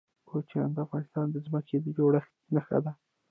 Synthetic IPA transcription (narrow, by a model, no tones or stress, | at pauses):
kot͡ʃa̰nd̪əafɣɑnɪst̪ɑnd̪əzməked̪əd͡ʒoɽax | naxa̰d̪a